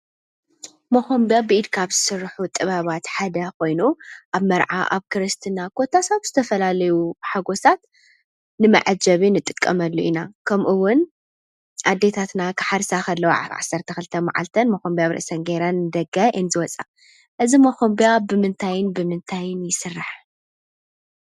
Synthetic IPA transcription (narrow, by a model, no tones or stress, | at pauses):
moxombijabɨʔid̪kʰaβzɨsɨɾːħut̪ʼɨβaβat̪ħad̪ɐko̞jnuʔaβmɐɾʕa̰ʔa̰βkʰɨɾɨst̪ʰɨnakʰot̪ʰasatz̥ɨt̪ʰɐfɐlalɐjuħaɡo̞sat̪ | nɨmɐ̰ʕad͡ʒɐβinɨt̪ʼːɨkʼːɐmɐlːuʔinakʰɐmʔuwʊn | ʔad̪ːet̪ʰat̪nakʰɨ̥ħaɾsaxɐlːɐw̰ʕa̰sːɐɾt̪ʰɐxɨlɨt̪ʰɐma̰ʕa̰lt̪ʰɐnmɐxombijaβɾɨ̰ʔsɐnɡeɾanːɨd̪ɐɡaʔɨnzɨwɔt͡sʼa | ʔɨzimɐxombiabɨmɨnt̪ʰajɪnbɨmɨnt̪ʰajɪnjɪsɨrːaħ